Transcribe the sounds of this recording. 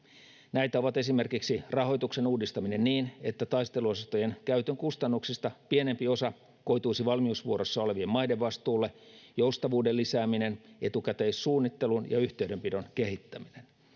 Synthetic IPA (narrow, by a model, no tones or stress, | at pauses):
næjt̪æo̞ʋɑt̪e̞sime̞rkiksirɑɦo̞jt̪ukse̞nuːdist̪ɑmine̞nniːne̞t̪ːæt̪ɑist̪e̞luosɑst̪oje̞nkæyt̪øŋkust̪ɑnːuksist̪ɑpiene̞mpio̞sɑ | ko̞jt̪uisiʋɑlmiusʋuo̞ɾo̞sːɑo̞le̞ʋiemmɑjdeʋʋɑst̪uːlːe̞joust̪ɑʋuːdelːisæːmine̞nʔe̞t̪ukæt̪eːssuːnːit̪ːe̞lunjɑ̰yçt̪eydømpido̞nke̞ɦit̪ːæminen